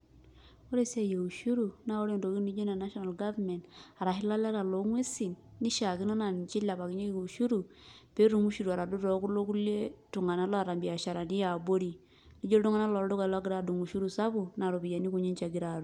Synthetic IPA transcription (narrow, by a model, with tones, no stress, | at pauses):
o˦ɾe˦˨sa˦je˨u˨ʃu˦ɾu˨na˦o˦ɾe˦ndo˨ki˦ni˦d͡ʒo˦na˨na˦ʃɔ˦na˨lɡa˦vmɛ˨nda˨ɾa˨ɦɪ˦la˦lɛ˦ɾa˨lo˨˦ŋwe˦si˨nːi˦ʃa˨ki˦nɔ˦na˨n˨t͡ʃi˦la˨pa˨ki˦ɲe˦e˦˨u˨ʃu˦ɾu˨ | pe˦ɾu˨ŋu˦ʃu˨ɾu˨a˨ɾa˨du˦tɔ˨˦ku˦lo˦ku˦le˦tu˨ŋa˨na˦lɔ˦a˨ɾa˨mbi˨a˨ʃa˨ɾa˨ni˦ja˨bo˦ɾi˨ | li˦d͡ʒo˦ɾdu˦ŋa˦na˦lɔ˨ɾdu˦ka˨lɔ˦ɡi˦ɾa˦˨du˨ŋu˨ʃu˦ɾu˨sa˦bu˨na˨ɾu˨pi˨ja˨ni˦ku˨ɲe˦nt͡ʃa˨ɡi˦ɾa˨ɾu˨